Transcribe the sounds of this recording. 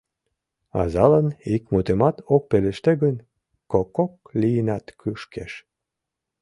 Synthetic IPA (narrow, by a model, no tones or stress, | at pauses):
ɑ̰zɑlənikmut̪emɑt̪ok̚peleʃt̪eɣən | kokːok̚lijənɑt̪kʰyʃkeʃ